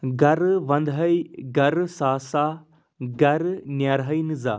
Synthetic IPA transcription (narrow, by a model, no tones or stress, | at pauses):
ɡɐɾʋɐnd̪ʱɦɐjɡɐɾsaːsaː | ɡɐɾnjaɾɦɐjnɨza̰ː